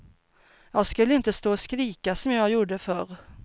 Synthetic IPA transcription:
jɑːɡskɵlːəɪnt̪əst̪oːskɾiːkasɔmjɑːɡjuːɖəfœɾ

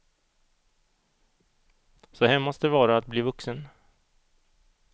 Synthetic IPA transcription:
sɔɦɛmɔst̪d̪ɛvɑːɾaːt̪̚bliːvɵksən

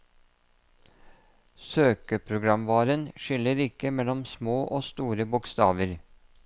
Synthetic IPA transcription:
søːkəpʰɾʊɡɾɑmʋɑːɾənʃʏləɾɪkəmɛlɔmsmoːʔoːst̪uːɾəbʊkst̪ɑːʋəɾ

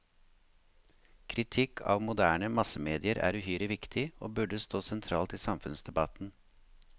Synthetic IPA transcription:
kʰɾɪt̪ʰɪkʰɑ̰ːʋmʊd̪æːɳəmɑsəmeːd̪ɪəɾʔæ̰ːɾʉːhyːɾəʋɪkt̪ʰɪoːbʉɖəst̪oːsɛnt̪ʰɾɑːlt̪iːsɑmfʉnsd̪ɛbɑt̪n̩

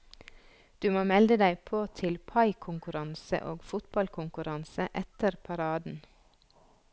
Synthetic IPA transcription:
d̪̥ʉːmoːmɛld̪əd̪æɪpʰoːt̪ʰɪlpʰɑɪkʰʊŋkʉɾɑnsə̰ʔoːɡfʊt̪bɑlkʰʊŋkʉɾɑnsəʔɛt̪əɾpʰɑɾɑːd̪n̩

